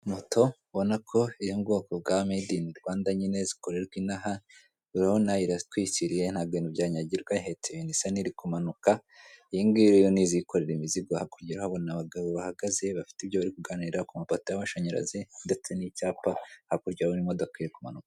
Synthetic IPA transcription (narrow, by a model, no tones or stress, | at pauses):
motʰo̞ | βo̞nakʰo̞iɾibɡo̞ːkobɡamidiniɾɡwaːndaɲine̞ziko̞ɾe̞ɾɡwinaɦa | uɾahonajiɾatwiːciɾije̞nhaːbɡenibɟaːɲaɟiɾɡwaɦetʰeβinisaniɾikumanukajiŋɡiɾejoniziko̞ɾeɾimiziɡohakuɾɟiɾahoβonaβaɡaβoβahaɡaze̞βafi̥tibɟoβaɾikuɡaniɾakumapatojaβaʃaɲeɾa̰zinde̞t͡se̞nicaːpahakuɾɟaβonimodokoiɾikumanukaḁ